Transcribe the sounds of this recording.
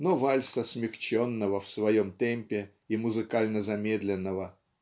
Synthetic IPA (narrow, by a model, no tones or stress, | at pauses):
novalʲsəsmʲɪxt͡ɕonːəvəfsvɐjomt̪ɛmʲpʲɪ | imʊzɨkalʲnəzɐmʲed̪lʲɪnːəvə